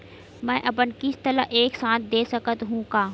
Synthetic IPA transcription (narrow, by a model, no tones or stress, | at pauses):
mɛ̃ːʔɐp̬ənkɪst̪ɐɾə̰ʔeːksãːt̪̚ʰd̪eːsɐkət̪ɦũːkaː